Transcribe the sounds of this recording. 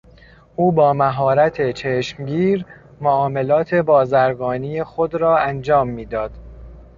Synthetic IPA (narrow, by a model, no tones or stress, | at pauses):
ʔuːbɒːmæɦɒːɾæt̪ʰe̞t͡ʃʰeːʃmɟiːɾ | moɒːme̞lɒːt̪ʰe̞bɒːzæɾɡɒːniːjexod̪ɾɒːænd͡ʒɒːmːiːd̪ɒːd̪̥